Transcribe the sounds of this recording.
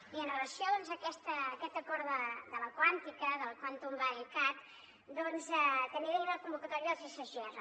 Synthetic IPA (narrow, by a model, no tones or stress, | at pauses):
iənrələsiɔðɔnzəkɛst̪əːkɛt̪əkɔɾðəd̪ələkwant̪ikəðəlˠkwant̪umbailkak | d̪ɔnzɛt̪əniβeiðələkumbukət̪ɔɾiəðəlˠsisəʒɛz